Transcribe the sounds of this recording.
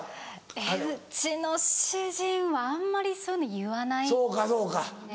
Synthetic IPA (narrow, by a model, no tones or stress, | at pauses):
eɯt͡ɕino̞ɕɨʑĩɰ̃βaãmːaɾʲisonojɯ̟βanaisoːkasoːka